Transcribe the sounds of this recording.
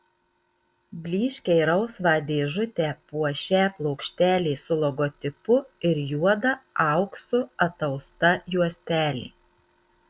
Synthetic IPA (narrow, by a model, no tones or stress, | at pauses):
bʲlʲiːʃʲkʲɛɪɾɐʊsʋɑːd̪ʲeːʒʊt̪ʲɛːpuɔʃʲæːplˠɐʊkʃʲt̪ʲæːlʲeːsʊlˠɔɡɔt̪ʲɪpʊɪɾjuɔd̪ɐɑˑʊksʊɐt̪ɐʊst̪ɐjuɔsʲt̪ʲæːlʲḛː